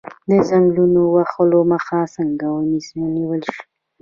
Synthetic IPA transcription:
d̪əzaŋɡlunowaxəloməxasəŋɡawənisniwəlʃi̥

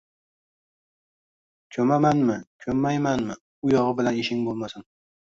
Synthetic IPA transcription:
kʲʰɵmamanmɪkʲʰɵmːajmanmɪ | ʊjɒʁɨbɪlaneʃɪŋbolˠmasɪn

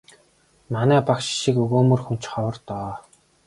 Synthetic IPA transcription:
manæːpakʃʃikɵɣoːmɵ̆rxun̥t͡ɕχɔwə̆rt̪ɔː

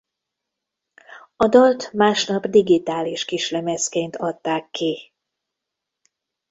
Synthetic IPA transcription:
ɒd̪ɒlt̪maːʃnɒbd̪iɡit̪aːliʃkiʃlɛmɛskeːnt̪ʰɒt̪ːaːkːi

